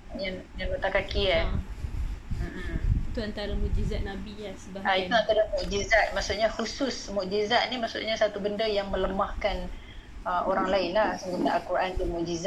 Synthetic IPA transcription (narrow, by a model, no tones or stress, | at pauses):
ɲan | janbut̪akakia | mʔ̩it̪uant̪aɾamuʔd͡ʒizat̪̚nabiasəbaait̪uant̪aɾamuʔd͡ʒizat̪̚maʔsuʔɲahusʊsmuʔd͡ʒizat̪̚nimaʔsṵʔɲasat̪ubəndəjaŋmə̃ləmahkan | əmoɾaŋlaɪnlahsəŋɡunt̪aʔalkuɾʔant̪umuʔd͡ʒiza